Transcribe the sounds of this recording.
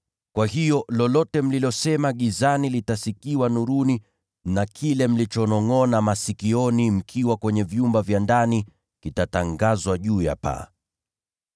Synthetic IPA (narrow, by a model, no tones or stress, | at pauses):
kwahijɔlɔlɔtɛm̩lilɔsɛmaɠizanilitasikiwanuɾuni | nakʰilɛm̩lit͡ʃɔnɔŋɔnamasikiɔnim̩kʰiwakwɛɲɛvjumbavjandani | kitataŋɡazwaʄuːja̰pa̰